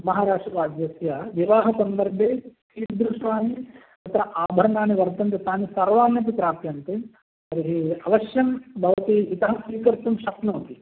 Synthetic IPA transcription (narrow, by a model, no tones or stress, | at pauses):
mɐɦaːɾaːʂʈɾɐɾaːd͡ʒ̪jɐsjɐʋiʋaːɦɐsɐnd̪ɐɾbʱeːkiːtd̪ɾuʂʋaːni | t̪ɐt̪ɾɐʔaːbʱɐɾɐɳaːniʋɐɾt̪ɐnt̪ɐt̪aːnisɐɾʋaːnjɐt̪̬it̪ɾaːpjɐnt̪i | ɐɾiɦiɐʋɐʃjɐmbʱɐʋɐt̪iːt̪ɐɦɐmsʋiːkɐɾt̪umʃɐknoːt̪i